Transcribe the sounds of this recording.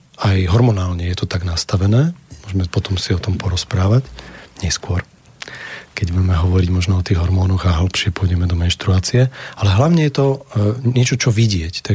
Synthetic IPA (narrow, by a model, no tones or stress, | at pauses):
ajɦɔɾmɔnaːlɲɛjɛt̪ɔt̪aɡnast̪aʋɛnɛːmʊɔʒɛmɛpɔt̪ɔmsiɔt̪ɔmpɔɾɔspɾaːʋacɲɛskʊɔɾ | kɛɟbuɟɛmɛɦɔʋɔɾiɟmɔʒnɔɔt̪iːɣɦɔɾmɔːnɔɣaɦl̩pʃɪɛpʊɔjɟɛmɛd̪ɔmɛnʃt̪ɾuaːt͡siɛalɛɦlaʊɲɛjɛt̪ɔɪɛt͡ʃɔt͡ʃɔʋiɟɪɛct̪a